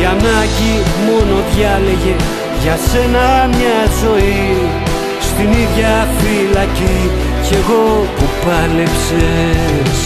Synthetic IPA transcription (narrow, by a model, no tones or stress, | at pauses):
anacimono̞ðʝaleʝe̞ | ʝɐsenɐmɲɐzo̞i | st̪iniðʝɐfilɐci | ce̞ɣo̞pupɐlepse